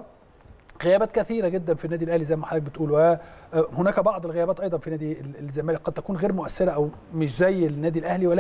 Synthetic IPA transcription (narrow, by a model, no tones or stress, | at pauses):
ɣejæbæːt̪̚kæθiːɾæɡed̪ːænfinːæːd̪ilʔæhlizæjːmæħalːæk̚bet̪ʔuːlwæhonæːkæbɑʕd̪ˤelɣejæbæːt̪ˤʔɑjd̪ˤɑnfinæːd̪ilzːæmæːlek̚qɑd̪̚t̪ækuːnɣeːɾmʊʔæsːeɾæʔæw | mɪʃzæjːlnːæːd̪ilʔæhliwælː